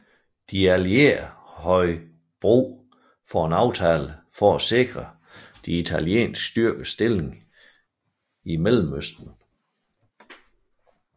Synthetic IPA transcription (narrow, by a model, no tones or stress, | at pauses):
d̥iælie̝̰ɐ | hɒ̽ɪ | b̥ʁṵː | fɒenɑ̈ʊt͡sʰɛːləfɒæse̝ɡ̥ʁɐ | d̥iit͡sʰæljḛːnsɡ̥sd̥yɐɡ̥əsd̥e̝leŋ | imelm̩øsd̥n̩